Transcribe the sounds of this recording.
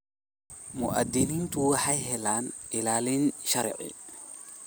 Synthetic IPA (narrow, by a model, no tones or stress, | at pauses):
mʊʔɐd̪ɪniːnt̪uwaħajhɛlaːnɪlaːlinʃɐɾʔɪ̰